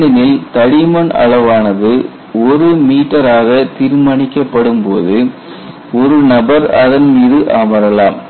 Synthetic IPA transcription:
ɐnɪlt̪ɐɽɪmɐɳɐ̰ɭɐʋaːnɐðɯ | ɔɾɯmiːʈːɐɾaːɣɐt̪ɪɾɯmɐɳɪkːɐpːɐɽɯmpoːðɯ | ɔɾɯnɐbɐɾɐðɐnmiːðɯʔaːmɐɾɐlaːm

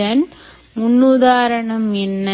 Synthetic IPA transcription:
ɐn | munːud̪aːɾɐɳɐmenːɐ

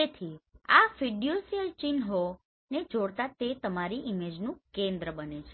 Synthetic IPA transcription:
et̪ʰiafiɖijosiəlt͡ʃinɦo | ned͡ʒoɽt̪at̪et̪əmaɾiʔimed͡ʒnũkẽnd̪ɾəbənet͡ʃʰe

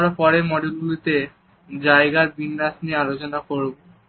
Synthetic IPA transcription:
ɔɾapɔɾemɔɖelɡulit̪e | d͡ʑaeɡaɾbinːaʃniealot͡ɕonakoɾbo

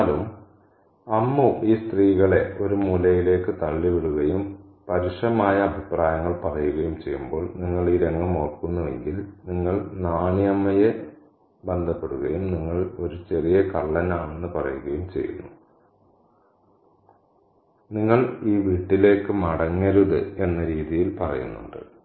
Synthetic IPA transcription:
lum | ɐmːuʔiːst̪riːɣɐɭe̞o̞ɾumulɐjile̞ːkːɨt̪ɐɭːiʋiɽuɣɐjum | pɐɾiʂɐmaːjɐːbʱipraːjɐŋːɐɭpɐrɐjuɣɐjumt͡ɕejːumbo̞ːɭniŋːɐɭiːɾe̞ŋɡɐmo̞ːrkunːɐʋe̞̰ŋɡilniŋːɐɭnaːɳijɐmːɐje | bend̪ʱɐpːe̞ɽuɣɐjumniŋːɐɭo̞ɾut͡ɕe̞rijɐkɐɭːɐnaːɳe̞nːɨpɐrɐ̰juɣɐjumt͡ɕe̞̰jːṵnːu | niŋːɐɭiːʋiːʈːile̞ːkːɨmɐɽɐŋːɐɾuðɨ̰e̞nːɐɾiːðijilpɐrɐ̰jṵnːṵɳɖɨ̰

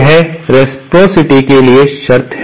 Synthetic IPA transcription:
ɦɛɾeːsʈɾoːsɪʈikelieʃɐɾt̪ʰɦ

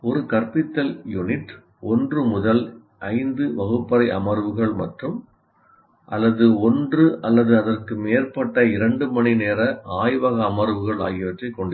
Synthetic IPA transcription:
ɔɾɯkɐɾpɪt̪ːɐljʊnɪʈː | ɔndrɯmʊðɐl | ʔɐɪnd̪ɯʋɐɣɯpːɐɾɐɪʔɐ̰mɐɾʋɯɣɐɭmɐʈrɯm | ʔɐ̰lːɐðɯɔndrɯʔɐlːɐðɯɐðɐrkɯmeːrpɐʈːɐɪɾɐɳɖɯmɐnineːɾɐʔaːjʋɐɣɐːmɐɾʋɯɣɐɭa̰ːjɪʋɐʈrɐɪkːɔɳɖɪ

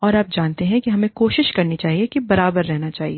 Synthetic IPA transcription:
ɔːɾaːp̚d͡ʒaːnt̪eɦɛ̃kiɦɐmẽkoːʃɪʃkɐɾnit͡ʃaːɦiekibɐɾaːbəɾːɛɦnat͡ʃaːɦieː

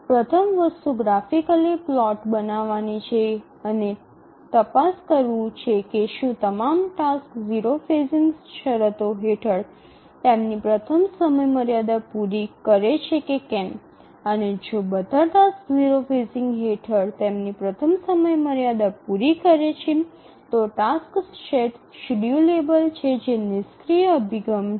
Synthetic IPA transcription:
pɾət̪ʰəmʋəst̪uɡɾafikəliplɔʈbənaʋanit͡ʃʰe | əne | t̪əpaskəɾʋũt͡ʃʰekeʃũt̪əmamʈaskziɾofeziŋɡsʃəɾət̪oɦeʈʰəɽ | t̪emnipɾət̪ʰəmsəməjməɾjad̪apuɾikəɾet͡ʃʰekekɛn | əned͡ʒobəd̪ʱəʈ̪askziɾofesiŋɡɦeʈʰəɽt̪emnipɾət̪ʰəmsəməjməɾjad̪apuɾikəɾet͡ʃʰin | t̪oʈasksʃeʈʃiɖjulebəlt͡ʃʰed͡ʒenɪskɾijəəbʱiɡəm

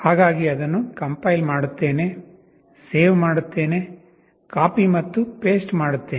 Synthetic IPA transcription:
haːɡaːɡiɐd̪ɐnːukɐmpɐjlmaːɽut̪ːeːne̞ | seːʋmaːɽut̪ːe̞ːne | kaːpimɐt̪ːupeːsʈmaːɽut̪ːeː

